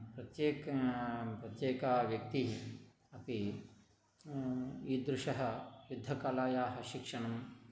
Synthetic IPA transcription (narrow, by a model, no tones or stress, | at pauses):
pɾɐt̪jeːk | pɾɐt̪jeːkaːʋjɐk̚t̪iɦ | ɐpi | iːd̪ɾuʂɐɦɐjud̪ʱːɐkɐlaːjaːɦɐ̆ʃikʂɐɳɐm